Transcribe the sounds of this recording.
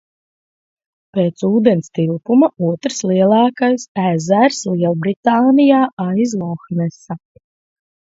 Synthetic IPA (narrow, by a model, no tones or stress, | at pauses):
peːt̪suːd̪ɛnst̪ilˠpumauɔt̪ɾslˠiɛlˠɑːkajsæzæɾslˠiɛlˠbɾit̪aːnijaːʔajzlˠɔxnɛsa